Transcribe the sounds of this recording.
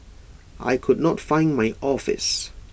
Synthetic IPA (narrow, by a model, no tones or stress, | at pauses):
ʔa̰jkʰʊdnɔtfãɪ̃nmaɪʔɔfɪ̰s